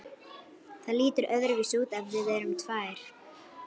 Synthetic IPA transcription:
θaðliːt̪ʏɾʔœðɾvisuːt̪avvɪðɛːɾʏmt̪ʰvaːjɾ̥

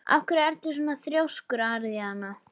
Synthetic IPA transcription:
a̰fkʏɾɛɾt̪ʏs̬uːnaθɾjowskʏɾaɾðihanːa

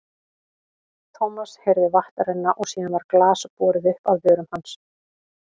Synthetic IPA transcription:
t̪ʰɔmashejɾðʏvaht̪aɾɪnːaʔɔɣsiːðanvaɾklaːspɔːɾɪðʏhpaðvjœːɾʏmhans

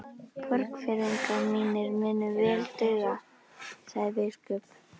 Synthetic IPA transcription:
pʰœɾkfɪɾiŋkamiːnɪɾmɪnʏvɛːlt̪ʏːɣa | saɣððɪskʏp

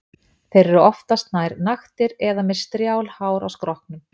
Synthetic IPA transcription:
θejɾɛɾʏɔft̪ast̪naːjɾnaxt̪ɪɾɛðamɛð̥st̪ɾjaːwlhaːwɾa̰wskɾɔhknʏm

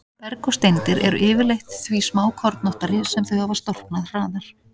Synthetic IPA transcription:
pɛɾkɔst̪ejnt̪ɪɾʔɛɾʏ̰ʔɪːvɪɾlejxt̪θvismaːwkʰɔɾt̪nɔht̪aɾɪsɛmθœɥhavast̪ɔr̥knaðr̥aːðaɾ̥

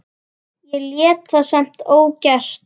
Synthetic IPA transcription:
jɛljɛːt̪θasam̥t̪oːwcar̥t̪

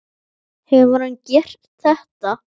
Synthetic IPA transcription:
hɛvʏɾhancɛr̥t̪ | θɛht̪a

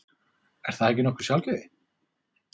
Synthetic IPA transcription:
ɛɾ̥θaðɛhc̬ːɪnɔkʏ̥ɾ̥sjawlcɛðɪ

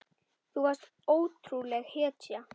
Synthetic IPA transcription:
θuvast̪ | oːwt̪ɾulɛɣhɛːt̪ja

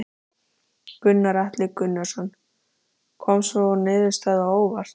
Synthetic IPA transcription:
kʏnːaɾaht̪lɪkʏnːaɾ̥sɔnː | kʰɔmsvɔnɪːðʏst̪aːðaoːwvaɾ̥

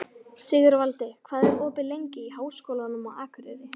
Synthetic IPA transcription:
sɪːɣʏɾvalt̪ɪkʰvaːðɛɾɔːpɪlejɲcɪiɦaːwskowlanʏmɔɣaːkʰʏɾɪðɪ

